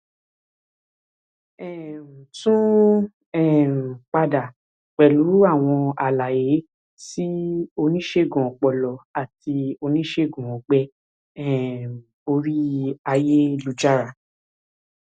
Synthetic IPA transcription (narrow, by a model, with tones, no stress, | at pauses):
ɛ̃˨sũ˦ | ɛ˦˨k͡pa˧da˨ | k͡pɛ˨lu˨˦a˦˨w̃ɔ̃˧a˨la˨je˨˦ | si˦o˧nĩ˦ʃe˦˨ɡɔ̃˨k͡pɔ˨lɔ˨a˨ti˧o˧nĩ˦ʃe˦˨ɡũ˨ɔ̃˨ɡ͡bɛ˧˦ | ɛ˦˨ | o˧ɾi˦a˧je˦lu˧d͡ʒa˦ɾa˨